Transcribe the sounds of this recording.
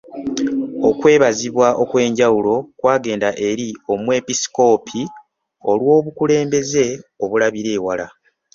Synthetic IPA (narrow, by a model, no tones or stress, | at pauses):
o̞kwe̞ːβaziβwaʔo̞kwe̞ːɲɟawulo̞kwaːɡe̞ːndaʔe̞ɾio̞mwe̞ːpisi̥ko̞ːpʰi | o̞lwo̞ːβukule̞ːmbe̞ze̞o̞βulaβiɾe̞ːwala